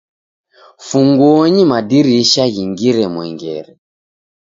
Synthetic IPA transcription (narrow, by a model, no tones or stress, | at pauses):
fuŋɡuɔɲimadiɾiʃaɣiŋɡiɾɛmwɛ̰ŋɡɛ̰ɾɛ